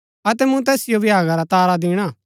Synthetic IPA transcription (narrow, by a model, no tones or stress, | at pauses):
ɐt̪ɛmũt̪̬ɛːsɪjobʱɪɦaːɡaɾat̪aːɾad̪ɪɽ̃a